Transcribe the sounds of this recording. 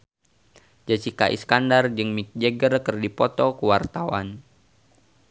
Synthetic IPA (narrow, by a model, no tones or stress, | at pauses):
d͡ʒasikaʔḭskandard͡ʒɨŋmik̚d͡ʒəɡərkərdipɔt̪ɔkəwart̪awa̰n